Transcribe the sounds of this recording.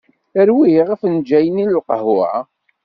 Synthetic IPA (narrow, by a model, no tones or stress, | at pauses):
əɾwiʁəfnd͡ʒæjənillqəhʊʕa